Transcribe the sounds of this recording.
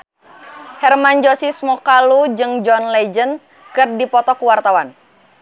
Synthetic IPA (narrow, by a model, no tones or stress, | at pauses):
hɛrmand͡ʒɔsismɔkalud͡ʒɨŋd͡ʒɔnlɛd͡ʒən | kɨrdipɔt̪ɔkuwart̪awan